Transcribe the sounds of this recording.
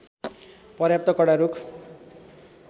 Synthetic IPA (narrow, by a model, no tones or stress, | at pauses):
pʌrjap̚t̪ʌkʌɽaɾukʰ